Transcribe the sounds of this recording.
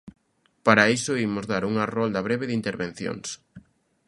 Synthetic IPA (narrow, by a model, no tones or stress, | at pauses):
paɾaisoimʊzðaɾuŋarɔld̪ɐβɾeβɪðint̪eɾβẽn̟θjo̰ŋs